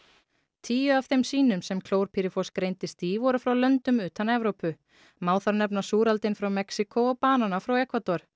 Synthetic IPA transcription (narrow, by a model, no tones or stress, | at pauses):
t̪ʰiːjʏav̥θejmsiːnʏmsɛmkʰloːwɾ̥pʰiɾɪfɔskɾejnt̪ɪst̪iːvɔɾʏfɾawlœnt̪ʏmʏːt̪anɛvɾowpʏ | maːwθaɾnɛpnasuːɾalt̪ɪnfɾawmɛksɪkʰoɔpaːnanafɾawɛhkvat̪ɔɾ̥